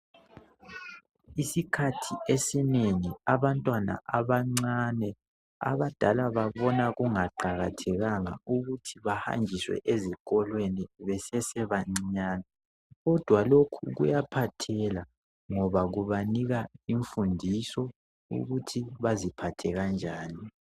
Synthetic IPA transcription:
isikʰatʰiesineŋiaβantʼwana̰ʔaβaŋ͡ǀanɛ | a̰βad̥ʱalaβaβɔnaɣuŋaǃaɣatʰɛɣaŋa̰uɣutʰiβaha̰ŋd͡ʒʱiswɛ̰ʔezikʼɔlweniβɛsɛsɛβaɲiɲaːna | ɣɔd̥ʱwalokʰuɣṵjapʰatʰɛla | ŋɔβaɣuβaniɣaiɱfundʱisɔ | ṵɣutʰiβazipʰatʰɛɣand͡ʒʱaːni

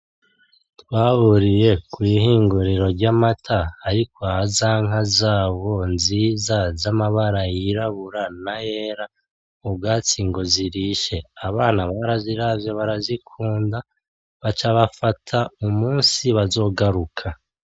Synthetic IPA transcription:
twaβuɾije̞kwiːhiːŋɡuɾiɾo̞ɾɟamatʰaːɾikʰohazaŋ̥azaːβo̞nziːzazamaβaɾajiɾaβuɾanajeːɾa | ubɡaːt͡siŋɡo̞ziɾiʃe̞aβaːnaβaɾaziɾavjo̞βaɾazikʰuːnda | βat͡ʃaβafatʰaumuːnsiβazo̞ɡaɾukʰa

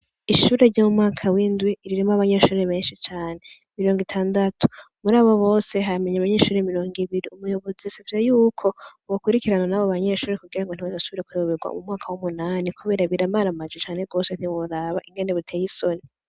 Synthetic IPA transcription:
iʃuːɾe̞ɾɟomumŋaːkʰawiːndwiːɾiɾimoaβaɲe̞ʃuːɾe̞βe̞ːnʃit͡ʃaːne̞ | miɾo̞ːŋɡitʰaːndatʰu̥ | muɾaːβo̞βo̞ːse̞ɦame̞ɲaβaɲe̞ːʃuːɾemiɾo̞ːŋɡiβiɾiumujo̞βo̞zisivizejuːkʰo̞βokuɾikiɾananaβoβaɲe̞ʃuːɾe̞kuɡiɾaŋɡon̥iβodasuβiɾe̞kuooβeɡwa̰ṵmumŋaːkʰawumunaːnikuβe̞ːɾaβiɾamaɾamad͡ʒet͡ʃaːne̞ɡo̞ːseteβoɾaːβaʔiŋɡe̞neβutʰeːjiso̞ni

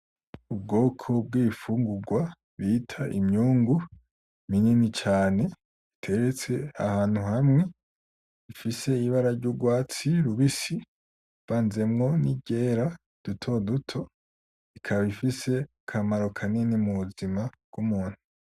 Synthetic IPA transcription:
ub̚ɡo̞ːkʰo̞b̚ɡiːifuːŋɡuɡwa | βitʰaʔḭmɲuːŋɡu | mininit͡ʃaːne̞ | itʰe̞ɾet͡se̞a̰haːn̥huhamŋe̞ | ifise̞iβaɾaɾɟuɡwaːt͡siɾuβisi | v̥aːnze̞mŋo̞niɟe̞ːɾa | d̥utʰo̞dutʰo̞ | ikʰaβaβifise̞ | kʰamaɾo̞kʰaninimuβuzimaɡ̥umuːn̥hu

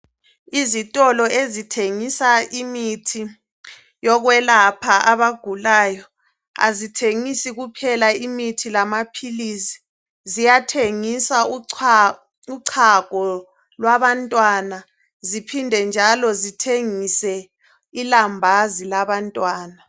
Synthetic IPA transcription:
izitʼɔlɔezitʰeŋisaimitʰi | jɔɣwɛlapʰaʔaβaɡ̥ʱulaːjɔ | a̰zitʰeŋisiɣupʰɛlaimitʰilamapʰiliːsi̥ | zijatʰeŋisau | uǀʰaɡ̥ʱɔ | lwaβantʼwana | zipʰindʱɛnd͡ʒʱalɔzitʰeŋisɛ | ilambʱazilaβantʼwaːna

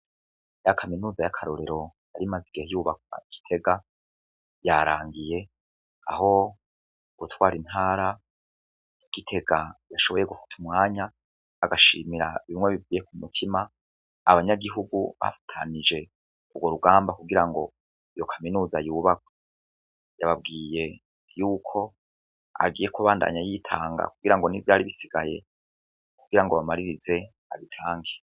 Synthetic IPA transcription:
jakʰaminuːzajakʰaɾo̞ɾe̞ɾo̞jaɾimaziɡihejuːβak̚wa̰iɡ̥i̥tʰe̞ɡa | jaɾa̰ːŋɡije̞ | aɦo̞ | ɡ̥utwaːɾin̥haːɾa | iɡ̥itʰe̞ɡajaʃo̞βo̞je̞ɡufḁtʰumŋaːɲaː | ɡaʃiːmiɾaβimŋwe̞βivɡiːje̞kumutʰimaː | βaɲaɡiɦuɡuβa̰fḁtʰa̰nid͡ʒe̞ | uɡwo̞ɾuɡaːmbakuɡiɾaŋɡo̞ | ijo̞kʰaminuːzajuːβak̚o̥ | jaβabɡiːje̞ | juːkʰo̞ | a̰ɡiːje̞kuβaːnda̰ːɲajitʰaːŋɡa̰kuɡiɾaŋɡo̞nivjaːɾiβisiɡ̥aje̞̰ | kuɡ̥iɾaŋɡoβamaɾiɾize̞ | a̰βitʰaːŋɡe

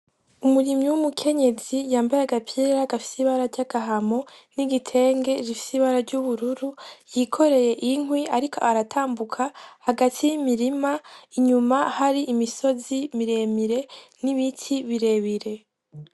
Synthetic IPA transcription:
umuɾimɲiwumukʰe̞ɲe̞zijaːmbajeaɡapʰieɾaɡafi̥siβaɾaɾɟaɡ̥aɦamo̞niɡitʰe̞ːŋɡe̞zifi̥siβaɾaɾɟuβuɾuɾujikʰo̞ɾe̞je̞ʔiŋwiaɾikʰo̞̰ʔaɾatʰaːmbukʰahaɡatʰijimiɾimaiɲumahaɾiʔimiso̞zimiɾe̞miɾe̞niβitʰiβiɾe̞βiɾe̞

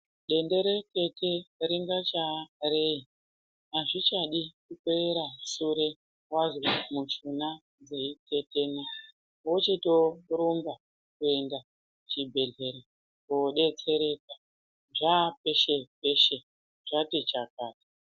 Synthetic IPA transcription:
ɗe̞nde̞ɾeke̞tʰeɾiŋɡat͡ʃarei | naʐit͡ʃaɗikukeeɾaʃuɾe | wazimut͡ʃuna | d͡zeitʰe̞teːna | wot͡ʃitoɾumba | kue̞nda | t͡ʃibʱe̞ɮe̞ɾe | koɗe̞t͡se̞ɾe̞ka | ʐapeʃepe̞ʃe | ʐ̥atit͡ʃakaːti̥

